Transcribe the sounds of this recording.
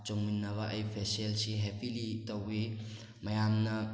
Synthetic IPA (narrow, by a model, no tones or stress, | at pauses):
t͡ʃoŋminːɐβɐʔɐjpʰeselsiɦepilitɐwi | mɐjamnɐ